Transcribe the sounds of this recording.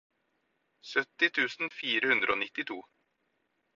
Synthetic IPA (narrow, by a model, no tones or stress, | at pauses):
sœt̪ːɪt̪ʰʉːsn̩fiːɾəhʉnd̪ɾʔəoːnɪt̪ːɪt̪ʰuː